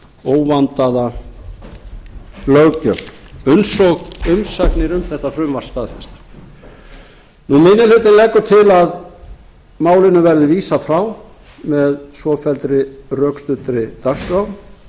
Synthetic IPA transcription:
oːwvant̪aða | lœɣcœmʏnsɔɣʏmsaknɪɾʏmθɛht̪ːafɾʏmvaɾ̥st̪aːðfɛst̪ḁ | numɪnɪlʏt̪ɪnlɛkːʏt̪ʰɪlað | maːwlɪnʏvɛɾðʏviːsafɾaw | mɛðsvɔfɛlt̪ɾɪrœːkst̪ʏt̪ɾɪt̪akskɾawm

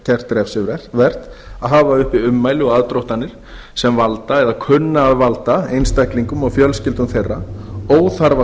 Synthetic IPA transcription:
cʰɛr̥t̪ɾɛfsɪvɾɛ̥vɛr̥t̪ | aðɦaːvaʏhpɪʏmːaːjlɪɔɣaðt̪ɾowht̪anːɪɾ̥ | sɛmvalt̪aɛðakʰʏnːaːðvalt̪aejnst̪ɛhkliŋkʏmawfjœlscɪlt̪ʏmθejrːaoːwθaɾva

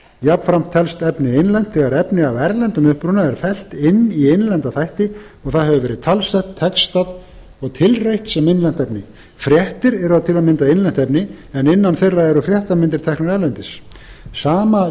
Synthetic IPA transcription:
jap̪fɾam̥t̪ʰːɛlst̪ɛpnɪejnlɛn̥t̪θɛɣaɾɛpnɪavɛɾlɛnt̪ʏmʏhpɾʏnaɛɾ̥fɛl̥t̪ɪnːiejnlɛnt̪aθajht̪ɪ | ɔɣθaðɦɛvʏvɛːɾɪðt̪ʰalst̪ɛht̪ʰːɛkst̪að | ɔɣt̪ʰɪlrejht̪sɛmɪnlɛnt̪ɛpnɪ | fɾjɛht̪ɪɾɛɾʏaðt̪ʰɪlaðmɪnt̪aejnlɛn̥t̪ɛpnɪɛnɪnːanθejrːaɛɾʏfɾjɛht̪amɪnt̪ɪɾ̥t̪ʰɛknʏɾɛɾlɛnt̪ɪs | saːma

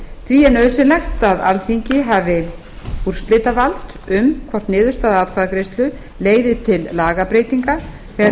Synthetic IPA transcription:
θviɛnœðsɪlɛxt̪aða̰lθiɲcɪɦavɪ | ur̥st̪lɪːt̪avalt̪ | ʏmkʰvɔr̥t̪nɪːðʏst̪aːðaaːðkʰvaːðakɾest̪lʏ | leːjðɪt̪ʰɪlːaːɣapɾeːjt̪iŋka | θɛ

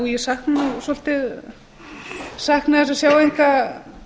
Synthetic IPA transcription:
jɛsahknsɔl̥t̪ɪ | sahknaɛsasjaːwejŋka

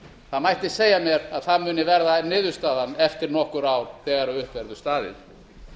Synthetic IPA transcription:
θaðmajht̪ɪseːjamjɛɾaðθaðmʏːnɪvɛɾðanɪːðʏst̪aːðanɛft̪ɪɾnɔhkʏɾawθɛːɣaɾaʏhpvɛɾðʏst̪aːðɪ̰n

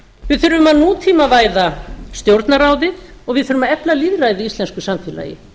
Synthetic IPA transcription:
vɪðθʏɾvʏmaðnuːt̪ʰiːmavaːjðast̪jowɾt̪naɾaːwðɪɔɣvɪðθʏɾʏmaɛplaliðɾajðɪist̪lɛnskʏsamfɪːla̰ːjɪ̰

